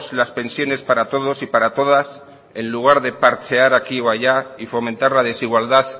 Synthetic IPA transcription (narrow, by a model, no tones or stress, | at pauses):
slaspe̞nsjo̞ne̞spaɾat̪o̞ð̞o̞sipaɾat̪o̞ð̞as | e̞nluɣ̞aɾðe̞paɾt͡ʃeaɾakioaʝaifo̞mẽnt̪aɾlað̞e̞siɣwald̪að